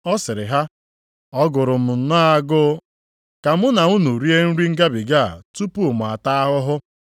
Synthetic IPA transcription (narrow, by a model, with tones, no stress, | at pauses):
ɔ˦sɪ˨ɾɪ˨ɦa˦ | ɔ˦ɡʊ˨ɾʊ˨m̩˨n̩˨na˦a˦ɡʊ˦ | ka˨mʊ˦na˨u˦nu˨ɾi˦e˦n̩˦ɾi˦ŋ̩˦ɡa˦bi˨ɡa̰˦˨tu˦pu˦˨m˨a˨ta˦a˦ɦʊ˦ɦʊ˦